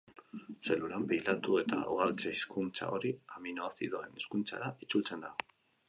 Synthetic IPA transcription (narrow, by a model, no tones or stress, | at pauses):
se̞luɾambijlat̪ue̞t̪a̰uɣalt͡seiskunt͡sa̰o̞ɾiaminoasiðoe̞neskunt͡sa̰ɾait͡sult͡se̞nd̪ao